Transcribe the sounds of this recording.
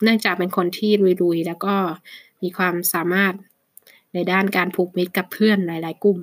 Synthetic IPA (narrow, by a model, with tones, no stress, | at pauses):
nɯ˥˩əŋt͡ɕaː˨˩k̚pe˧nkʰo˧nt̪ʰiː˥˩ɾu˧jɾu˧jlɛː˦˥wkɔː˥˩miː˧kʰwaː˧msaː˨˩˦maː˥˩t̪̚ | na˧jdaː˥˩nkaː˧npʰuː˨˩k̚mi˦˥t̪̚ka˨˩pʰːɯ˥˩ənlaː˩˦jlaː˨˩˦jku˨˩m